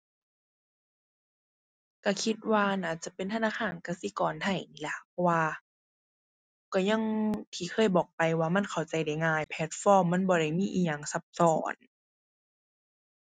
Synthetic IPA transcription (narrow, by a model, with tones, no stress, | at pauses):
ka˧˩kʰi˧t̪̚waː˧naː˧˩t͡ɕa˧˦pe˨nt̪ʰa˧naː˧˥˨kʰaː˧˩˨nka˧˩si˧˦kɔː˨˩nt̪ʰa˧˩jniː˧˩la˧pʰɔ˧waː˧ | kɔ˧˩ɲa˧˥˨ŋt̪ʰiː˧˩kʰɤː˧˨jbɔː˨˩k̚pa˨jwaː˧ma˧˥˨nkʰa˨˩wt͡ɕa˨˧˩jda˧˩jŋaː˧˩jpʰɛ˧˦t̪̚fɔː˧˨mːa˧˥˨nbɔː˧ɾa˧˥˩jmiː˧˥˨ʔiː˧˨˩ɲaː˧˨ŋsa˧˦p̚sɔː˧˩˦n